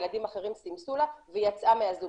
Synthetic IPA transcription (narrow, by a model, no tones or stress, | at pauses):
lad̪imaχe̞ʁimsimsulavejat͡sʔameazu